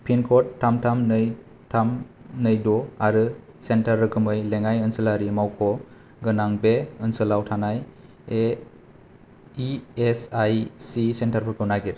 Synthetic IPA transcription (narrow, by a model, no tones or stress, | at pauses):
pʰinkʰɔtʰːamtʰamnɯj | tʰam | nɯjdɔaɾɯ | sentaɾːɯkʰɯmɯjleŋajɯnsɯlaɾimawkʰɔ | ɡɯnaŋbeɯnsɯlawtʰanaj | e | iesajsisentaɾpʰɯɾkʰɯmnaɡiɾ